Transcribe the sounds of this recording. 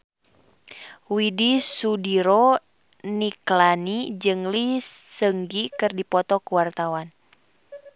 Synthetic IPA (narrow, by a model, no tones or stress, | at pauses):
widisudiɾɔ | niklanid͡ʒɨŋliːəŋɡikɨrdipɔt̪ɔkuwart̪awan